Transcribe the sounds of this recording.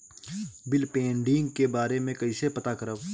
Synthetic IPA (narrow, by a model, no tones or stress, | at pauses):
bɪlpẽːɳɖɪŋɡkebaːɾemẽkɐisepɐt̪akɐɾəʋ